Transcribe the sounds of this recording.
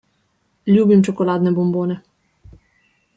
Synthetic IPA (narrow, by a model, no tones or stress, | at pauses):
lʲjuːbimt͡ʃɔkɔlaːd̪nɛbɔmboːnɛ